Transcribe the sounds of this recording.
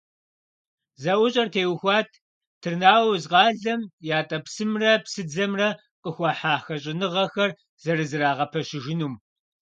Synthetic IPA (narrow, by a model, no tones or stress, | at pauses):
zɐʔʷʊɕʼɐrtʰeːwxʷɑːtʰ | tʰɨrnaːwzqɑːɮɐmjaːtʼɐpsɨmrɐpsɨd͡zɐmrɐ | qʼəxʷɑːħaːxɐɕ̬ʼɪnɨʁɐxɐr | z̥ɐɾɨzɨraːʁɐpʰɐʃɪʒɪnuːm